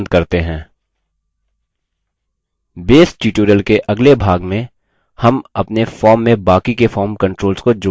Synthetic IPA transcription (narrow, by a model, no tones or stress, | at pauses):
nd̪̚kɐɾt̪eɦɛ̃ː | beːsʈiːʈuːɾəlkeʔɐɡlebʱaːɡmẽ | hɐmɐpnefɔːɾmːẽbaːkikefɔːɾmkɐ̃ɳʈɾoːlzkod͡ʒo